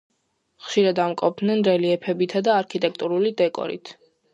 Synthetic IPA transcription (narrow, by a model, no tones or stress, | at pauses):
χʃiɾad̪amkʼɔb̚d̪nɛnɾɛliɛpʰɛbit̪ʰad̪aːɾkʰit̪ʼɛkʰt̪ʼuɾulid̪ɛkʼɔ̰ɾḭt̪ʰ